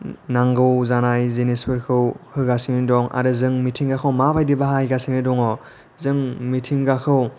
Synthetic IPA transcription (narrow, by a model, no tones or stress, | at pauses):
naŋɡɯwzanajzenispʰɯɾkʰɯwhɯɡasiŋnidɔŋa̰ɾɯzɯŋmitʰiŋɡakʰɯwmabajdibaɦajɡasiŋnɯdɔŋɔ | zɯŋmitʰiŋɡakʰɯw